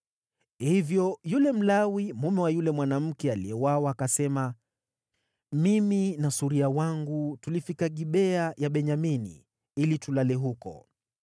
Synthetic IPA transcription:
hivjɔjulɛm̩lawimumɛwajulɛmwanam̩kɛaliɛwawaːkasɛma | miminasuɾiawaŋɡutulifikaɠiɓɛajaɓɛɲaminḭ | ilitulalɛɦukɔ̰

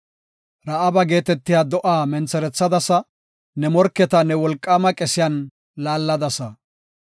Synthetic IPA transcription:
ɾɐʔɐbɐɡe̞ːt̪ɛt̪ːɪjaːd̪ɔʔaːmɛnt͡sːɛɾɛt͡sːɐd̪ɐsɐ | nɛmɔɾkːɛt̪ɐnɛwɔlkʼːaːmɐkʼɛsɪjɐn | laːlːɐd̪ɐsɐ

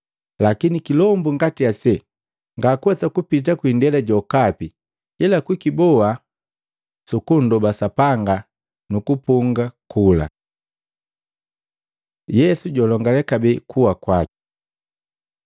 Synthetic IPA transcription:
lakinikilɔmbuŋɡatiasɛ | ŋɡakwɛsakupit̬akwindɛlaɟɔkapi | ilakwikibɔa | sukundɔbasapaŋɡa | nukupuŋɡakʰula̰ | jɛsuɟɔlɔŋɡalɛkabɛkʰuwakwak

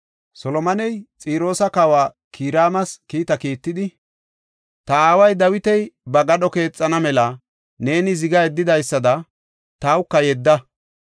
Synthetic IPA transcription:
sɔlɔmɐnɛjt͡sʼiːɾo̞ːsɐkawaː | kʰiːɾaːmɐskiːt̪ɐkiːt̪ːɪd̪ɪ | t̪ɐaːwɐjd̪ɐwɪt̪ɛjbɐɡɐɗɔke̞ːt͡sʼːɐnɐmɛlɐ | ne̞ːnɪzɪɡɐɛd̪ːɪd̪ɐjsːɐd̪ɐ | t̪ɐːwʊkːɐjɛd̪ːɐ

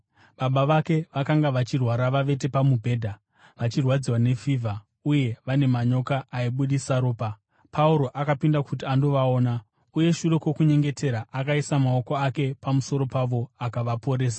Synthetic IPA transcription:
ɓaɓaʋake̞ʋakaŋɡaʋat͡ʃirwaɾaʋaʋe̞t̬e̞pamubʱe̞ːdʱa | ʋat͡ʃirwad͡ziwane̞fiːvʱa | uje̞ʋane̞maɲo̞kaʔːiɓuɗisaɾo̞ːpa | pʰauɾo̞ʔakapindakutiando̞ʋao̞ːna | uje̞ʃure̞kwo̞kuɲe̞ŋɡe̞tʰe̞ɾaʔakaisamao̞ko̞ake̞pamuso̞ɾo̞paʋo̞akaʋapo̞ɾe̞ːs̬ḁ

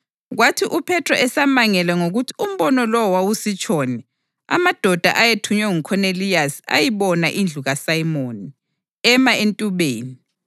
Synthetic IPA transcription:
ɣwatʰiʔupʰɛtʰrɔ̰ʔɛsamaŋɛlɛŋoɣutʰi̥um̩βɔnɔlɔwawusit͡ʃʼʰɔːnɛ | a̰mad̥ʱɔd̥ʱa̰ʔajetʰuɲwɛŋukʰɔnelijasa̰jiβɔnaʔind͡ɮʱuɣasajimoːni | ɛmaentʼuβeːni

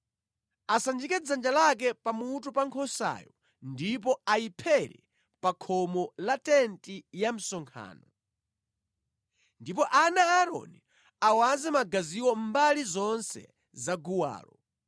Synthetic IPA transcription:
asand͡ʒikɛd͡zand͡ʒalak̬ɛpamutupaŋkʰɔsa̰jɔ | ndip̬ɔajipʰɛɾɛ̰ | pakʰɔmɔlatɛntijam̩sɔŋkʰa̰ːnɔ | ndip̬ɔʔanaːɾɔ̰ni | awanzɛmaɡaziwɔmbalizɔnsɛ̰ | zaɡuwa̰ːlɔ

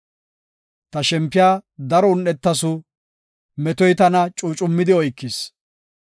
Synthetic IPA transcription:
t̪ɐʃɛmpːɪjaːd̪ɐɾɔʊnːɛt̪ːɐsʊ | mɛt̪ɔjt̪ɐnɐt͡ʃʼuːt͡ʃʼʊmːɪd̪ɪɔjkːɪs

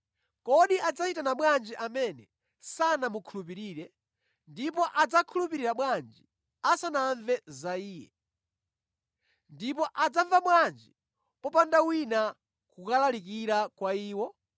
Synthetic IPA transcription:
kɔɗiʔad͡zat͡ʃitanaɓwand͡ʒiʔamɛnɛ | sanamukʰulup̬iɾiːɾɛ | ndipɔʔad͡zakʰulupiɾiɾaɓwand͡ʒi | asanaɱvɛzaiːjɛ | ndipɔʔad͡zaɱvaɓwand͡ʒi | pɔpandawina | kukalalik̬iɾakwaiːwɔ

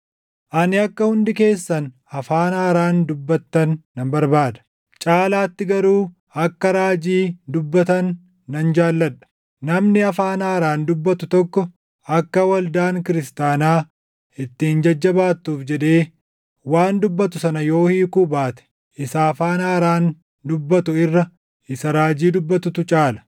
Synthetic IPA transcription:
ʔɐnɪɐkːɐhʊnd̪ɪke̞ːsːɐn | ɐfaːnaːɾaːnd̪ʊbːɐt̪ːɐnːɐmbɐɾbaːd̪ɐ̥ | t͡ʃʼaːlaːt̪ːɪɡɐɾuː | ɐkːɐɾaːd͡ʒiːd̪ʊbːɐt̪ɐnː | ɐnd͡ʒaːlːɐᶑɐ̥ | nɐmnɪɐfaːnaːɾaːnd̪ʊbːɐt̪ʊt̪ɔkːɔ | ɐkːɐwɐld̪aːŋkɪɾɪst̪aːnaː | ɪt̪ːɪɪnd͡ʒɐd͡ʒːɐbaːt̪ːuːfd͡ʒɛd̪e̞ː | waːnd̪ʊbːɐt̪ʊsɐnɐjo̞ːhiːkuːbaːt̪ɛ̥ | ʔɪsaːfaːnaːɾaːn | d̪ʊbːɐt̪ʊɪrːɐ | ɪsɐɾaːd͡ʒiːd̪ʊbːɐt̪ʊt̪ʊt͡ʃʼaːlɐ̥

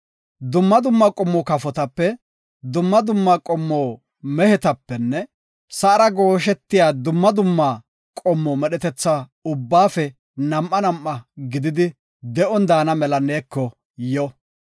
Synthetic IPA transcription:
d̪ʊmːɐd̪ʊmːɐkʼɔmːɔkɐfɔt̪ɐpːɛ | d̪ʊmːɐd̪ʊmːakʼɔmːoː | mɛhɛt̪ɐpːɛnːɛ | sɐɐɾɐɡo̞ːʃɛt̪ːɪjaːd̪ʊmːɐd̪ʊmːɐ | kʼɔmːɔmɛɗɛt̪ɛt͡sːaʊbːaːfɛ | nɐmʔɐnɐmʔːɐɡɪd̪ɪd̪ɪ | d̪ɛʔɔnd̪aːnɐmɛlɐneːkːɔ | jɔ

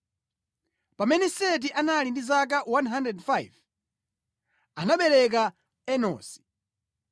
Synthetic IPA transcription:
pamɛnɛsɛt̬iʔanalindizakawanɦandɾɛdfajv | anaɓɛɾɛk̬a | ɛnɔ̰ːsi̥

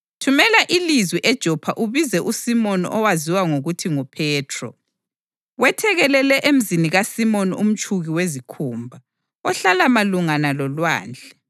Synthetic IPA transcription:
tʰumɛlaʔilizwiʔɛd̥ʒ̥ʱɔpʰaʔuβizɛʔusimɔnɔ̰waziwaŋoɣutʰiŋupʰɛːtʰrɔ̰ | wɛtʰɛɣɛlɛlɛʔem̩ziniɣasimɔnṵm̩t͡ʃʼʰuɣiwezikʰuːmbʱa | ɔɬalamaluŋanalɔlwa̰ːnd͡ɮʱɛ

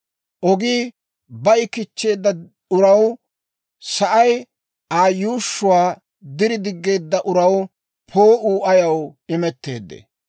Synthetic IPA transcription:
ʔɔɡiː | bɐjɪkɪt͡ʃːe̞ːd̪ːɐ | ʊɾɐw | sɐʔɐj | aːjuːʃːʊwaː | d̪ɪɾɪd̪ɪɡːe̞ːd̪ːɐʔʊɾɐw | pʰoːʔuːʔɐjɐwɪmɛt̪ːe̞̰ːd̪ːḛ

